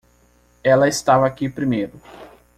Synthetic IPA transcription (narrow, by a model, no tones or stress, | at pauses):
ɛlɐɪst̪avɐakipɾimejɾʊ